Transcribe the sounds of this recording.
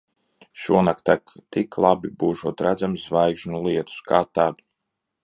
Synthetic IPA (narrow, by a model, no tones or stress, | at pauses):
ʃuɔnakt̪akt̪iklˠabibuːʒuɔt̪ɾæd̪zamszvajɡʒnulˠiɛt̪u̥skaːt̪aːd̪u